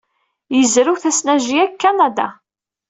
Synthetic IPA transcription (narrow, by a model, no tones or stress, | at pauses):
jəzɾuθæsnæʒiækːanad̪a̰